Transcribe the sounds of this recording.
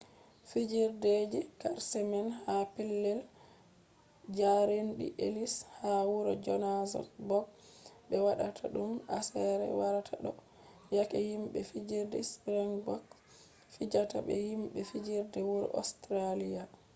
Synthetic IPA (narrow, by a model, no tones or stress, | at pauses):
fid͡ʒiɾded͡ʒikaɾsɛmɛnhapilːɛl | d͡ʒaɾenɗḭʔelishawuɾɔd͡ʒɔnazɔ̰bɔɡɓɛwaɗatʰaɗuma̰sɛɾɛ̰waɾatʰaɗɔ | jakɛhimɓɛfid͡ʒiɾdɛspɾɛnbɔk | fid͡ʒataɓɛ̰himɓɛfid͡ʒiɾdɛwuɾɔ̰ʔɔ̰stɾalija